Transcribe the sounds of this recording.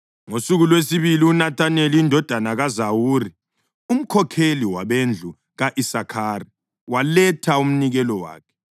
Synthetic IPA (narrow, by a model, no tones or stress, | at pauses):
ŋosuɣulwesiβiliunatʰʼaneliindʱɔd̥ʱanaɣazawuːri | um̩kʰɔkʰeliwaβend͡ɮʱu | ɣaʔisakʰaːri | walɛtʰaum̩niɣɛlɔwa̰ːkʰɛ̥